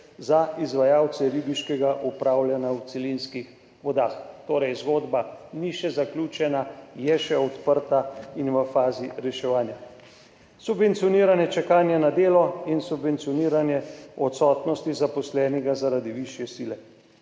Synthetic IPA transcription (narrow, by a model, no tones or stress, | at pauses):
zaizʋajaw̪sɛɾiːbiʃkɛɡaʔupɾaːwlʲjanawt̪sɛlinskix | ʋɔd̪aːxt̪oːɾɛjzɡoːd̪baniʃɛzaklʲuːt͡ʃɛnajɛʃɛɔt̪pəɾt̪ainʋəfaːziɾɛʃɛʋaːnja | subʋɛnt̪sijɔniːɾanjɛt͡ʃɛkaːnjanad̪eːlɔinsubvʋɛnt̪siɔniːɾanjɛɔt̪sɔːt̪nɔst̪izapɔslɛːnɛɡazaɾad̪iʋiʃjɛsiːlɛ